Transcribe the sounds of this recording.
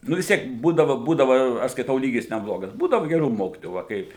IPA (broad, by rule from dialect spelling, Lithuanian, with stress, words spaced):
ˈnʊ ʋʲɪs ˈtʲiɛk ˈbuːdɐʋɐ ˈbuːdɐʋɐ ɐʃ skɐɪˈtɐʊ ˈlʲiːɡʲɪs nʲɛˈblˠoːɡɐs ˈbuːdɐʋɐ ɡʲɛˈruː ˈmoːkʲɪtoːjuː ʋɐ ˈkɐɪp